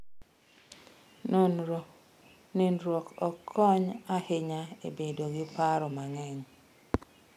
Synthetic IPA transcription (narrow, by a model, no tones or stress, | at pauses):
nonɾɔ | nɪnɾwɔkɔkʰːɔɲahɪɲaḛbedoɡɪpaɾɔmaŋɛɲ